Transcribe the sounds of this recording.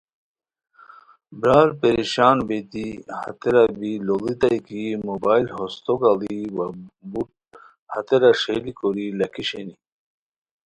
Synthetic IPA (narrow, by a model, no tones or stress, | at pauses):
bɾaːɾpeɾiɕaːnbet̪ihɐ̰t̪eɾabilolit̪ajkimobaːjlhost̪okaliwabuʈ̚ | hɐt̪eɾaʂelikoɾilɐkʰiɕeni